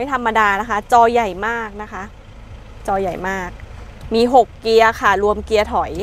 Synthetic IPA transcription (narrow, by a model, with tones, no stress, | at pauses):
a˥˩jt̪ʰa˧mːa˧daː˧na˦˥kʰa˦˥t͡ɕɔː˧ja˨˩jmaː˥˩k̚na˦˥kʰa˦˥ʔ | t͡ɕɔː˧ja˨˩jmaː˥˩k̚miː˧ɦo˨˩kːi˧ɐkʰa˥˩ɾu˧əmki˧ɐt̪ʰɔ˩˦j